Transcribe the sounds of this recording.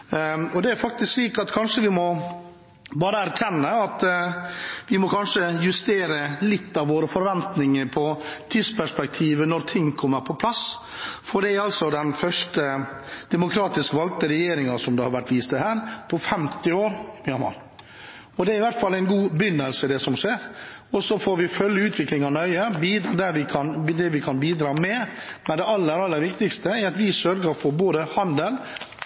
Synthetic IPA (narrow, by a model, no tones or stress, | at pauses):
ɔd̪ɛæɾfɑk̚t̪ɪsksliːkɑt̪kʰɑnʂəʋɪmɔ | bɑːɾəæɾc͡çʰɛnːəɑt̪ | ʋɪmɔkʰɑnʂəjʉst̪eːɾəlɪt̪ːɑʋʋoːɾəfɔɾʋɛnt̪nɪŋəɾpʰɔt̪ʰiːspʰæʂpɛk̚t̪ʰiːʋənɔɾt̪ʰɪŋːkʰɔmːəɾpʰɔpʰlɑs | fɔɖɛæɾɑlsɔd̪ɛnfœʂʈə | d̪̥ɛmʊkʰɾɑːt̪ɪskʋɑlt̪əɾɛjeːɾɪŋɑsɔmd̪ɛhɑɾʋæʈːʋiːst̪əhæːɾpʰɔfɛmt̪ɪoːɾɪmɑnmɑ̰ɾ | ɔd̪ɛæɾɪʋæɾʈ̪fɑlːæɪnɡuːbʏnːəlsəɪd̪ɛsɔmʂeːɾ | ɔsɔfoːɾʋɪfœljəʉːt̪ʰʋɪklɪŋɑnœʏəbiːd̪ɾd̪æʋɪkʰɑnd̪ɛʋɪkʰɑnbiːd̪ɾɑːmɛmɛnd̪ɛɑlːəɾɑlːəɾʋɪkt̪ɪkst̪əɛɾɑt̪ʋɪsœɾɡəɾɔfɔɾboːd̪əhɑnd̪əl